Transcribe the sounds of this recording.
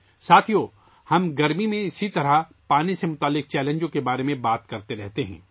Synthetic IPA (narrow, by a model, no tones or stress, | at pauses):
saːt̪ʰijoː | hɐmɡɐɾmimẽɪsit̪ɐɾa | paːnisemʊt̪aːlːɪq̚t͡ʃɛːlẽːɲd͡ʒõkebaːɾemẽbaːt̪kɐɾt̪eɾɛɦt̪eɦɛ̰̃ː